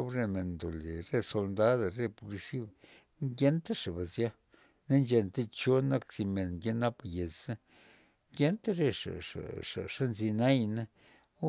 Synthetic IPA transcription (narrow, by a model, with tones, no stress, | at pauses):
o˧˦bɾe˧me˨nd̪o˨le˨ɾe˦so˧ld̪a˦d̪ɾe˧po˧li˧si˦b | ŋɡʲe˦nt̪a˦ʂa˨ba˨zja˦ | na˦nd͡ʒe˧nt̪e˦t͡ʃo˦na˦ksi˧me˨nŋɡe˦na˦pje˨t͡sa˦ | ŋɡʲe˦nt̪a˦ɾe˦ʂa̰˨a̰˨ʂa̰˨ʂa˦nzi˧na˦jna˦